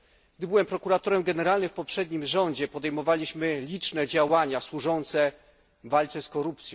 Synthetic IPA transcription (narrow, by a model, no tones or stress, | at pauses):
ɡ̚d̪ɘbɘwɛmpɾɔkuɾat̪ɔɾɛmɡɛnɛɾalnɘfpɔpʂɛd̪ɲimʐɔɲd͡ʑɛpɔd̪ɛjmɔvalʲiɕmɘlʲit͡ʂnɛd͡ʑawaɲaswuʐɔnt̪sɛ | valt̪sɛskɔɾupt̪sʲjɔ̃w̃